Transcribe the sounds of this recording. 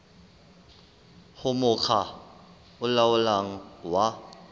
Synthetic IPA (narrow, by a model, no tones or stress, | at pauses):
hʊmʊk͡xʰa | ʊlaʊlaŋ̩wa